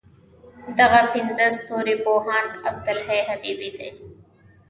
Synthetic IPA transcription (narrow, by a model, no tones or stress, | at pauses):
d̪ɐɣapʰɪnzɐst̪oːɾiːboːɦaːnt̪ɐb̚d̪əlɦeːɦɐbiːbiːd̪ḛː